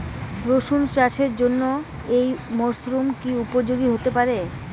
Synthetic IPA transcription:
ɾoʃunt͡ɕaʃeɾd͡ʑonːo | ejmoɾsɾumkiupoɾd͡ʑoɡiɦot̪epaɾe

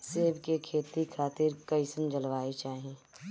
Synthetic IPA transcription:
seːbkekʰeːt̪ikʰaːt̪ɪɾkɐɪsənd͡ʒəlʋaːit͡ʃaːɦieː

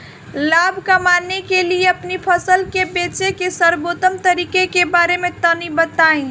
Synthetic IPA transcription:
labʱkamanekelieəpnipʰəsəlkebet͡ʃekesəɾbot̪əmt̪əɾiːkekebaɾemẽt̪ənibət̪aĩ

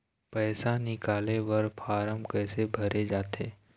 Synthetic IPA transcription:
pɛːsanɪkaːleʋɐɾpʰaːɾəmkɛːsebʱɐɾed͡ʒaːt̪eː

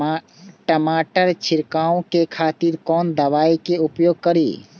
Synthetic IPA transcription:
ʈəmaːʈəɾt͡ʃʰɪɾkaːõkekʰaːt̪iɾkɔːnd̪ɐʋaːikeupjoːɡ̚kəɾḭː

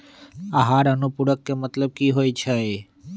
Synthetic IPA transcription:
aɦaɾənupuɽəkːemət̪ləb̚kiɦojt͡ʃʰej

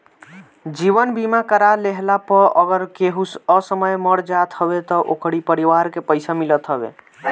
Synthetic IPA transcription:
d͡ʒibənbimakəɾaleɦlapəəɡəɾkeɦuəsəməjməɽd͡ʒat̪ɦəbet̪ɔʔokɽipəɾiʋaɾkepəɪsamilət̪ɦəbḛ

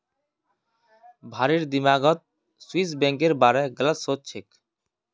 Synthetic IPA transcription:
bʱaɾiɾd̪imaɡɔt̪̚ | suisbɛŋkeɾbaɾɛɡələt̪sott͡ɕʰek

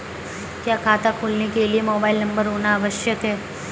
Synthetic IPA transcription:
kjãkʰat̪akʰulnikeliemobailnəmbəɾonaːʋəʃjət̪ʰe

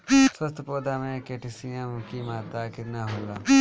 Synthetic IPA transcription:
swɐst̪əpoːd̪aːmẽkeːʈɪsijəmkimaːt̪akɪt̪naɦoɡɾaː

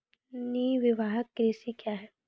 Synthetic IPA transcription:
niːʋɪʋaːɦəkːɾiːsikjaːɦɛː

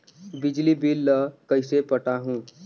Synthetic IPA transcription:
bɪd͡ʒlibilːəkəɪsepəʈaɦũː

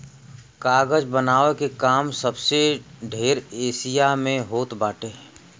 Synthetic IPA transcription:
kaːɡəd͡ʒbənaːʋekekaːmsəbseɖʱeːɾeːsijamẽɦoːt̪baːʈeː

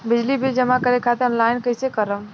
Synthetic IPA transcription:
bɪd͡ʒlibʱid͡ʒəmakəɾekʰat̪eənlaːɪnkəɪsekəɾəm

